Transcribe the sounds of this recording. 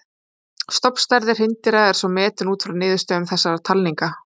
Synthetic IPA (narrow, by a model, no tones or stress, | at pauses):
st̪ɔpst̪aɾðɪr̥hɪnt̪ɪɾaɛɾ̥sɔmɛːt̪ʏnuːt̪fɾawnɪːðʏst̪œʏmθɛsːaɾat̪ʰalniŋka